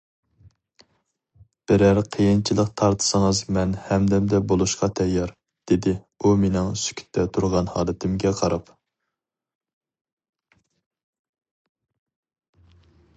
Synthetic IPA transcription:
b̥ɪɾæɾqʰəjɪnt͡ʃʰilˠəqt̪ʰɑɾt̪ʰɨ̥sɨŋɨzmɛnhɛmd̪ɛmd̪ɛbolˠuʃqɑt̪ʰɛjːɑɾ | d̪̥ɪd̪ɪ | umenɪŋsy̥kʲʰy̥t̪ʰːɛt̪ʰuɾʁɑnhɑːlˠɨt̪ʰɪmɡʲɛqʰɑɾɑp

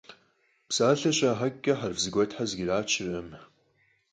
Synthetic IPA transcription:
psaːɬɐɕʷʼaːɦaɡʲːɐħarvzɡʷajtħazɡʲiraːt͡ʃʰɪrɨm

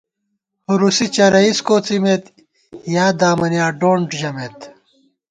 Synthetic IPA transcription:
huɾusit͡ɕɐɾɐiskoːt͡simet̪ | jaːd̪aːmɐnjaːɖoːɳʈʑɐmeːt̪

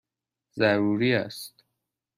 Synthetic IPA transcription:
zæɾuɾiːæ̰st̪

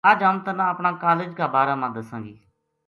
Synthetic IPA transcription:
əd͡ʒamt̪ənãːəpɳaːkaːleːd͡ʒkaːbaːɾaːmãːd̪əsãːɡiː

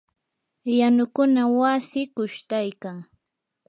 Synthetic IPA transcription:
janʊkʊnawasɪkʊʃt̪ajkaŋ

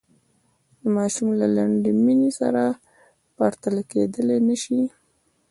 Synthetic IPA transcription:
d̪əmɑʃumlalaɳɖiminesa̰ɾa | paɾt̪əlaked̪əlenəʃi

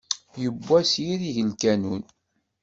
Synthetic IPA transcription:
jəbːæsjiɾiʝəlkænun

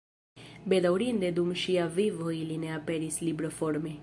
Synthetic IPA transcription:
bed̪awɽind̪ed̪umʃijaʋiʋoilineapɛɾislibɾəfɔɾme

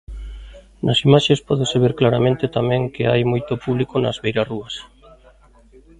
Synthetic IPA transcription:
nɐsimaʃespɔðɪseβeɾklaɾamẽnt̪ɪt̪amɛ̃ŋkɪajmojt̪opuβlikonɐzβejɾaruɐs

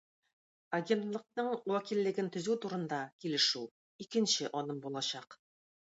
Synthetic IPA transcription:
ɐɡʲe̞nt̪lˠɤ̆q̚nɤɴwækilːɘ̆ɡɘnt̪ɵ̆zʉt̪uɾɤ̆nd̪ɑkilɘ̆ʃʉ | ikɘ̆nɕɘʔɒnɤmbulˠɑɕɑq

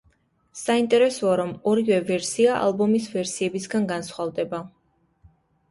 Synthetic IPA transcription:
saint̪ʼɛɾɛsɔaɾɔmɔɾivɛvɛɾsiaʔa̰lˠbɔmisvɛɾsiɛbisɡanɡansχwald̪ɛba

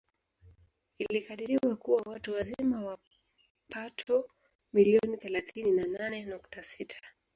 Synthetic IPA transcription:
ilikaɗiɾiwakuwawatuwazimawa | patʰɔ | miliɔniθɛlaθininananɛnuktasitʰḁ

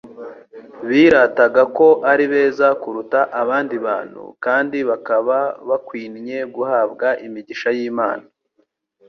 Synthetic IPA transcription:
βiːɾataɡako̞ʔaɾiβe̞ːzakuɾutaʔaβaːndiβa̰ːn̥hṵkaːndiβakaβaβakwiːnɲe̞ɡuhaːbɡaʔimiɟiʃajiːma̰ːna

